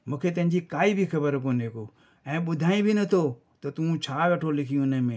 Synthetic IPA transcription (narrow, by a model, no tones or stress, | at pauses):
mũːkʰet̪ɐ̃ɦɪ̃ɲd͡ʑikaːibʱixɐbəɾkõneko | ɛ̃ːɓʊd̪ʱaːĩbʱɪnɐt̪ʰo | t̪ɐt̪uũt͡ɕʰaːkɐʈʰolɪkʰijũnəmẽː